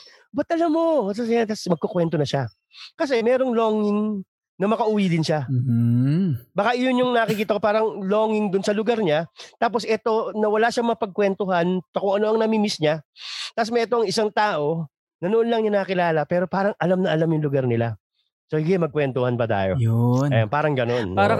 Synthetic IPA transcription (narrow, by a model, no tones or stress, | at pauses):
bɐt̪ʔɐlamːos̬asɛjat̪asmɐɡ̚kokwɛnt̪o̞nɐʃa | kɐs̬ɛmɛːɾoŋloːŋɪŋ | nɐmɐkɐʔuːwid̪ɪnʃa | baːkaʔɪjonjʊŋnɐkɪkiːt̪ɐkopaːɾɐŋloːŋɪŋd̪ʊnsɐlʊɡaɾɲat̪aːpo̞sʔɛt̪o̞nɐwɐlaʃaɐmɐŋɐpɐɡ̚kwɛnt̪oɦɐntɐkʊŋɐno̞ʔɐŋnɐmimɪsɲat̪as̬mɐjʔɛt̪o̞ʔɐŋɪsaŋt̪aːʔo̞ | nɐnoʔonlɐŋɲanɐɐkɪlaːlɐpɛːɾo̞paːɾɐŋʔɐlamnɐʔɐlamjʊŋlʊɡɐɾnɪla | sohɪɡɪmɐɡ̚kwɛnt̪ohɐnbɐt̪a̰ːjo̞ɐjanpaːɾɐŋɡɐno̞naɾɐ